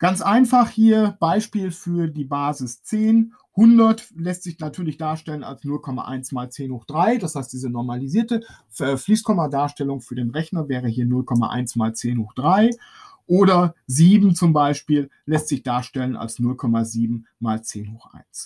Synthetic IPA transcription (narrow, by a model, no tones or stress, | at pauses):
ɡ̥ant͡sʔaɪnfaχhiːɐb̥aɪʃpiːlfyːɐdiːbaːzɪst͡seːn | hʊndɐtlɛstz̥ɪçnatʰyːɐlɪçd̥aːɐʃtɛləna̰lsnʊlkʰɔma̰ʔa̰ɪnsmaːlt͡seːnhoːχd̥ʁaɪdashaɪst̚d̥iːzənɔɐmaliziːɐtə | ɛːfliːskʰɔmɐdaːɐʃtɛlʊŋfyːɐdeːnʁɛçnɐvɛːʁəhiːɐnʊlkʰɔma̰ʔa̰ɪnsmaːlt͡seːnhoːχd̥ʁaɪ | ʔoːɾɐziːbm̩t͡sʊmbaɪʃpiːllɛstz̥ɪçd̥aːɐʃtɛlənʔa̰lsnʊlkʰɔmaziːbm̩maːlt͡seːnhoːχʔa̰ɪns